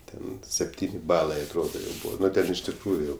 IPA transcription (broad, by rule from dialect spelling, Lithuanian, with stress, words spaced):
ˈtʲɛn sʲɛpʲˈtʲiːnʲɪ ˈbɑːlˠɐɪ ɐtˈroːdoː jɛʊ ˈbuːʋɐ ˈnʊ ɪʃ tʲɪkˈruːjʊ jɛʊ